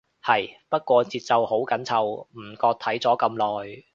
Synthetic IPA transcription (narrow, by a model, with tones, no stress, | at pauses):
hɐ˨jpɐ˥t̚kʷɔː˧t͡siː˨t̚t͡sɐ˨who˨˥wkɐ˨˥nt͡sʰɐ˨wm̩˨˩kɔː˧k̚t̪ʰɐ˨˥jt͡sɔː˨˥kɐ˧mlɔː˨j